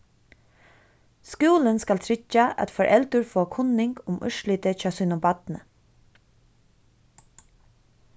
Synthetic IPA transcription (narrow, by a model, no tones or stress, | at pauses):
skuːlənskalt̪ʰɾɪt͡ʃːaʔa̰t̪fɔɹʔɛlt̪ʊɹfoːkʰʊnɪŋkʊmʔœ̰ʃlɪːt̪ət͡ʃɑːsʏːnʊmbɑt̪nə̰